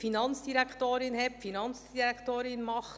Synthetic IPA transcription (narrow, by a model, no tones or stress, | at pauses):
finɑnt͡sd̥iɾækχt̪oːɾɪnɦɛpfinɑnt͡sd̥iɾækt̪oːɾɪnmɑχt